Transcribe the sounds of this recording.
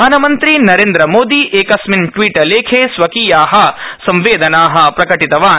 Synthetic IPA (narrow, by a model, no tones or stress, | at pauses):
aːnɐmɐnt̪ɾinɐɾeːnd̪ɾɐmoːd̪iʔeːkɐsminʈʋiːʈɐleːkʰeːsʋɐkiːjaːɦɐsɐ̃mʋeːd̪ʱɐnaːɦɐ̆pɾɐkɐʈit̪ɐʋaː